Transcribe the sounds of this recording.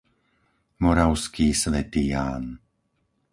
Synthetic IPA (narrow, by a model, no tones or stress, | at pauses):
mɔɾaʊskiːsʋɛt̪iːjaːn